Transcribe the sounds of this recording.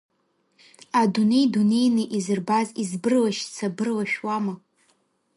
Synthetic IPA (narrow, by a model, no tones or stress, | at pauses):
adune̞jdune̞jnɨʔizɨrbazizbɨrlaʃt͡sʰabɨrlaʃᶣwama